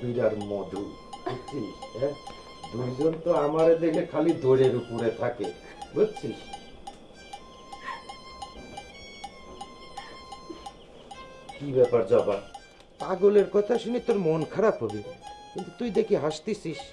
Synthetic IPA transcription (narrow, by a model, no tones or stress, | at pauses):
biɾaɾmod̪ʱu | ot͡ɕʰiʃɛ | d̪ujd͡ʑont̪oamaɾed̪ekʰekʰalid̪oɾeɾupoɾet̪ʰake | ɡotːt͡ɕʰiʃ | kibɛpaɾd͡ʑaba | paɡoleɾkɔt̪ʰaʃunit̪oɾmonkʰaɾapɦobikint̪ut̪ujd̪ekʰiɦaʃt̪isʰiʃ